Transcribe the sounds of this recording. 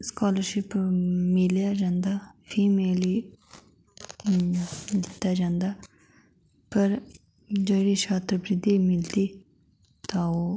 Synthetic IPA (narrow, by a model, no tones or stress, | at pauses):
skaːləɾʃɪpmɪljad͡ʒãːnd̪aːpʰiːmeːli | d̪ɪt̪ːad͡ʒãːnd̪aː | pɐɾ | d͡ʒoːɾit͡ʃʰaːt̪ɾəpɾɪd̪imɪld̪i | t̪aːoː